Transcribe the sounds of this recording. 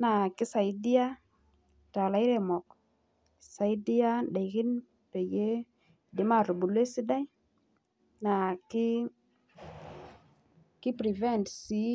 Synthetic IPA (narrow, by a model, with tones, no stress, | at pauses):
na˨ki˦sa˨jdi˦a˦ | ta˨la˨i˦ɾe˨mɔ˨k | sa˨jdi˦ja˦ɗa˨jki˦n | pe˨je˦ | de˨˦ma˦˨ɾu˨bu˨le˦si˦da˦j | na˨ki˦ | ki˦pɾi˨vɛ˦˨ntsi˨˦